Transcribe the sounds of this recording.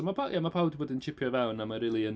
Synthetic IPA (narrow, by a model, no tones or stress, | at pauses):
mapʰajʔamapʰawˠdivoːdənt͡ʃʰɪpʰjɔvɛwnamaɾiːlˠiən